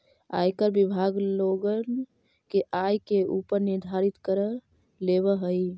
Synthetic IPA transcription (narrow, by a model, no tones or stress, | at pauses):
a̰jkəɾbibʱaɡloɡən | keʔajkeupəɾniɾd̪ʱaɾit̪kəɾə | leβəɦəj